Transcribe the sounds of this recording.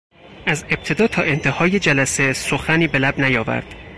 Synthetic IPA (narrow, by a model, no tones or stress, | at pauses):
ʔæze̞b̚t̪ʰe̞d̪ɒːt̪ʰɒːʔe̞nt̪ʰe̞hɒːjed͡ʒælæsesoxæniːbe̞læbnæjɒːvæ̰ɾd̪̥